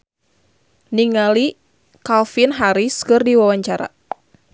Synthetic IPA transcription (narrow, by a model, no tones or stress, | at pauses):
niŋali | kalfinɦaɾiskɨrdiwawaɲt͡ʃaɾa̰